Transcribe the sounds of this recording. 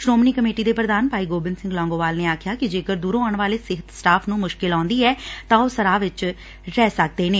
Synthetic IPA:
sɾoːmniːkəmeːʈiːd̪eːpɾəd̪aːnpaːiːɡoːbɪnsɪŋɡlɔ̃ːŋɡoːʋaːlneːaːkʰjaːkɪd͡ʒeːkəɾd̪uːɾõːaːɳʋaːleːsɪɦət̪sʈaːpʰnũːmʊʃkɪlɔ̃ːnd̪iːɛːt̪ãːoːsəɾaːʋɪt͡ʃ | ɾɛːsək̚d̪eːneː

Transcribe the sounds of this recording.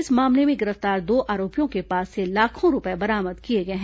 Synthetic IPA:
ɪsmaːmlemẽɡɪɾəft̪aːɾd̪oːʔʔaːɾoːpijõkepaːsːelaːkʰõɾʊpɛebɐɾaːməd̪kieɡɐeɦɛ̃

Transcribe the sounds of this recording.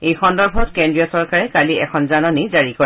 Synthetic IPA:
ejxɔndɔɹbʱɔtkɛndɹiɔsɔɹkaɹɛkaliɛkʰɔnzanɔnizaɹikɔ

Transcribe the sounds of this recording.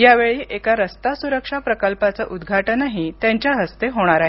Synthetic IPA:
jaʋeɭiːʔekaɾəst̪asuɾəkʂapɾəkəlpat͡səʔud̪ɡʱaʈənaɦitt̪jãɲt͡ɕjaɦəst̪eɦoɽ̃aɾaɦe

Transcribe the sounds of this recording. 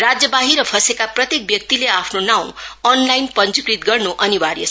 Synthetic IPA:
rad͡zjʌbaɦiɾʌpʰʌsekaprʌt̪jek̚bjʌk̚t̪ileapʰnonaw̃ʌnlajnpʌnd͡zukɾit̪̚ɡʌrnoʔʌnibaɾjʌsʰ

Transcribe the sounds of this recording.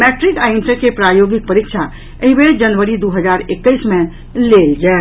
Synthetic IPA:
mɛʈɾikaɪnsəkepɾajoɡik̚pəɾikt͡ʃʰa | eɦĩbeɾd͡ʒənʋəɾid̪uɦəd͡ʒaɾekːəɪsmẽ | leld͡ʒa

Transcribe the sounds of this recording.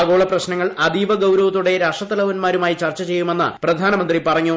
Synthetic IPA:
ɣo̞ːɭɐprɐɕnɐŋːɐɭɐd̪iːʋɐɡɐwɾɐʋɐt̪ːuɽe̞ɾaːʂɐt̪ːɐlɐʋɐnmaːɾumaːjit͡ɕɐrt͡ɕːɐt͡ɕe̞jːume̞nːɐ̰prɐd̪ʱaːnɐmɐnd̪ripɐrɐŋːu

